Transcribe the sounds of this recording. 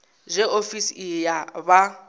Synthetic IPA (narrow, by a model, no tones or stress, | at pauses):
ʒʷɛofisijaβa